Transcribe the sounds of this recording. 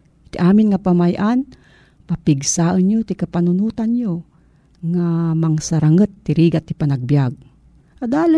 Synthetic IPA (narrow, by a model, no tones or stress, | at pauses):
t̪iʔaːmɪnŋapamajʔan | papɪɡsaːʔənɲot̪ɪkapanʊnuːt̪anɲo | ŋamaŋsaɾaŋət̪ːɪɾiːɡat̪ːipanaɡ̚bjaɡ̚ | ʔad̪aːla